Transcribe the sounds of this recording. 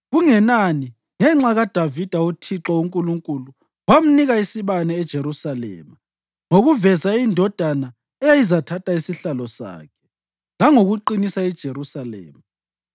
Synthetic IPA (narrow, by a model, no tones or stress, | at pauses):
ɣuŋɛnani | ŋɛŋ͡ǁaɣad̥ʱavid̥ʱautʰiǁɔuŋkʼuluŋkʼulu | wam̩niɣaisiβanɛːd̥ʒ̥ʱeɾusalɛ̰ːma | ŋoɣuvɛzaindʱɔd̥ʱana | ɛjajizatʰatʼaisiɬalɔsa̰ːkʰɛ̥ | laŋoɣuǃinisaɛd̥ʒ̥ʱeɾusalɛ̰ːma